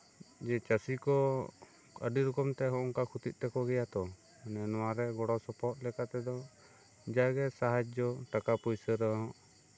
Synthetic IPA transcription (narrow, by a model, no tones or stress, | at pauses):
d͡ʒɛt͡ʃasikɔ | kə̰ɖiɾukɔmt̪ɛɦɔ̃ʔɔŋkakʰut̪it̪̚ˀʈɛkɔɡɛjat̪ɔ | nɛnɔwaɾɛɡɔɽɔsɔpɔt̪̚lɛkat̪ɛd̪ɔ | d͡ʒaɡɛsaɦad͡ʒd̪ɔʈakapɔjsəɾəɦɔ̃ʔ